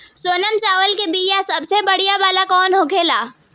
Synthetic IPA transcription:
soːnəmt͡ʃaːʋəlkebiːjasɐbsebɐɽijabaːlakɔːnɦoːkʰeːlaː

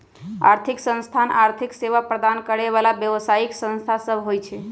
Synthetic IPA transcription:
a̰ɾt̪ʰiksə̃nst̪ʰanaɾt̪ʰikseʋapɾəd̪ankəɾeʋalabjəʋsaiksə̃nst̪ʰasəbɦojt͡ʃʰɛ

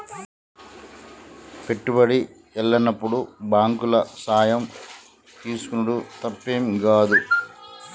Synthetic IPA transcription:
pe̞ʈːubɐɽi | ɛɭːɐnɐpːuɽubaːŋkulɐsaːjɐm | t̪iːsu̥kunɐɽut̪ɐpːeːmɡaːd̪u

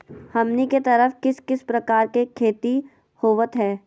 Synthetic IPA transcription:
hɐmniket̪ɐɾəfkɪskɪspɾɐkaːɾkekʰeːt̪i | hoːʋət̪ɦɛː

